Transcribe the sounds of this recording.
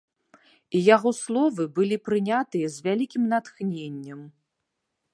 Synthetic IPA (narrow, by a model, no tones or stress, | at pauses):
ijaɣɔslˠɔvɨbɨlʲipɾɨnʲat̪ɨjɐzʲvʲalʲikʲimnat̪xnʲenʲːɐm